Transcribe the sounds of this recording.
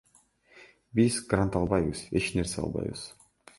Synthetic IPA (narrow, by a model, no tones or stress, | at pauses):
bizɡɾant̪ɑlˠbɑjbɯze̞t͡ʃne̞ɾseɑ̰lˠbɑ̰jbɯ̰z̥